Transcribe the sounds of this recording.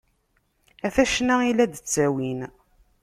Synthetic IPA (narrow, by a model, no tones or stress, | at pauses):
æθæʃnæilæd̪ət͡sːæwin